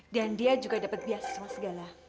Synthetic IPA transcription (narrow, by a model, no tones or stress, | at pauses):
dandiad͡ʒuɡadapat̪̚biasḁsmasəɡala